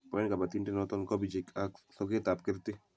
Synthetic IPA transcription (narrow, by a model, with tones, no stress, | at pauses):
pɔɛ˦nka˨ba˨t̪i˦ntɪ˦nɔt̪ɔ˦nkɔbi˨t͡ʃɪ˨kaksɔɡet̪a˨p̚kɪɾt̪ɪ